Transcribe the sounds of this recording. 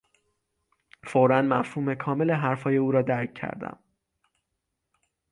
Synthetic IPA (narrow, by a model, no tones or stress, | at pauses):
foɾænmæfhuːme̞kʰɒːme̞leɦæɾfɒːje̞uːɾɒːd̪æɾcʰːæ̰ɾd̪æ̰m